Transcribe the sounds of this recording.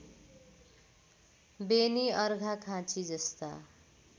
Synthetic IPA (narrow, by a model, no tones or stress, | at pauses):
beniʌɾɡʱakʰãt͡sid͡zʌst̪a̰